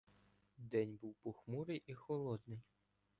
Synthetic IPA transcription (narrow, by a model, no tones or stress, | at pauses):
d̪ɛnʲbuwpʊxmuɾɪjʔixɔlˠɔd̪nɪj